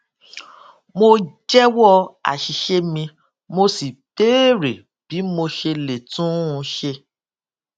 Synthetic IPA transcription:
mo˧d͡ʒɛ˦wɔ˦˧a̰˨ʃi˨ʃe˧mĩ˧ | mo˧si˨teː˦ɾe˨ | b̥i˨˦mo˧ʃe˧le˨tũ˦˧ʃe˧

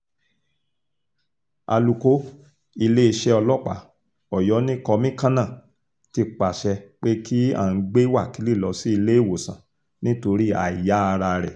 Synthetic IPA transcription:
a̰˧lu˧ko˦ | i˧le˦i˧ʃɛ˦ɔ˧lɔ˦˨k͡pa̰˨˦ | ɔ˨jɔ˨˦nĩ˦kɔ˧mĩ˦kã˦nã˦˨ | ti˧k͡pa˨ʃɛ˧k͡pe˦ki˦a̰˦˨n̩˦ɡ͡be˦wa˦˨ki˨˦li˦˨lɔ˧si˦i˧le˦i˦˨wo˨sã˨ | nĩ˦to˧ɾi˦a̰˨i˨ja˨˦a˧ɾa˧ɾɛ̰˨

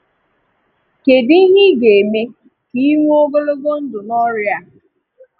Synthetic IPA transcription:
ke˨di˦ɦɪ˦ɡe˨me˦ | ki˦ŋʷ˦o˦ɡo˦lo˦ɡo˦n̩˦dʊ˨nɔ˦ɾja˦

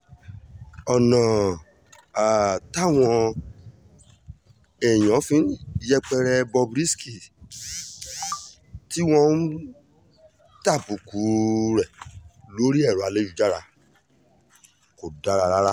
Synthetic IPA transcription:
ɔ˨nã˨ | a˨ta˦˨w̃ɔ̃˧ | ɛ˨j̃ɔ̃˨˦fĩ˧n̩˦jɛ˦k͡pɛ˧ɾɛ˧bɔ˧bɾi˦ski˨ | ti˦w̃ɔ̃˦n̩˦ | ta˦˨bu˨ku˨˦ɾɛ˦˨lo˦ɾi˦ɛ˦˨ɾu˨a˧le˦ju˨d͡ʒa˦ɾa˧ | ko˨da˦ɾa˧ɾa˦ɾa˦

